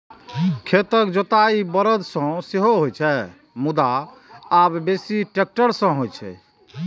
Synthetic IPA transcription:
kʰet̪əkd͡ʒot̪aibəɾəd̪ʱsə̃seɦoɦojt͡ʃʰɛ | mud̪aː | bbesiʈek̚ʈəɾsə̃ɦojt͡ʃʰɛ̰

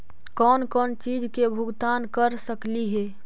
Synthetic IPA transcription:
kɔːnkɔːnt͡ʃiːd͡ʒkebʱʊɡt̪aːnkəɾsəkliɦeː

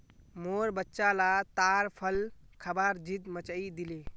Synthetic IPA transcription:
moɾbətːʃalat̪aɾpʰəlkʰəbaɾd͡ʒit̪mət͡ʃəid̪ile

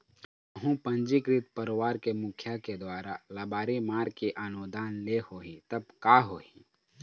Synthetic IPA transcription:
əɦũpə̃nd͡ʒikɾɪt̪pəɾwaːɾkemʊkʰjaked̪waːɾalɐbaːɾimaːɾkiʔaːnoːd̪ʱaːnlehoːɦit̪ɐb̚kaːɦoːĩ

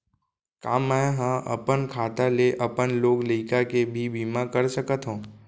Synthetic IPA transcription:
ka̰ːmːɛ̃ɦãʔə̰pənkʰaːt̪aleʔəpənloːɡləɪkakebʱibimãkəɾsəkət̪ɦõː

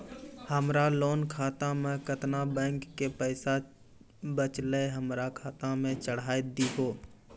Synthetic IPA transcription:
həmɾaloːnkʰaːt̪ãmẽkət̪nabɛ̃ːŋkːepəɪsa | bət͡ʃleɦəmɾakʰaːt̪ãmẽt͡ʃəɽ̤aːed̪iɦoː

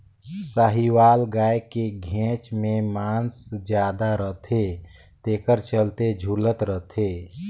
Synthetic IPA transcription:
saɦiwaːlɡaːekeɡʱẽt͡ʃmẽmaːnsd͡ʒjaːd̪aɾət̪ʰe | t̪eːkəɾt͡ʃəlt̪ed͡ʒʱulət̪ɾət̪ʰe

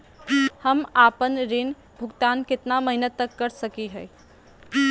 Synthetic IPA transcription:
həmapənɾɪn | bʱʊɡt̪aːnkɪt̪naməɦinət̪ːəkːəɾsəkiɦɛː

